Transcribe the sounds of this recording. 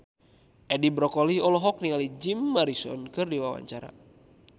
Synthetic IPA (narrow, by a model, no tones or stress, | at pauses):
ʔɛdibɾɔkɔlihɔlɔɦɔk̚niŋalid͡ʒimːaɾisɔ̰nkɨrdiwawa̰ɲt͡ʃaɾa̰